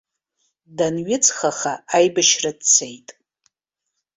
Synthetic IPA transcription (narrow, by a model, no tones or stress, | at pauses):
danɥɪt͡sʰʼχaχaajbaʃradt͡sʰejtʼ